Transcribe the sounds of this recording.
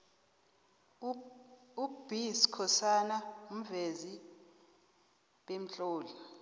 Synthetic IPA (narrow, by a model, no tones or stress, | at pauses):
ub̥ʱiskʰɔsanaum̩vezi | ɓem̩ɬʼoːli